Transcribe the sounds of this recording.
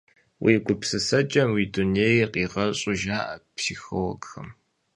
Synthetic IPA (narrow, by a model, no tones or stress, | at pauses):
wʔḭːɡʷʊpsɨsɐt͡ʃʼɐmwiːduneːjqiːʁɐɕʼʊʒaːʔɐpsiːxowɔɡxɐm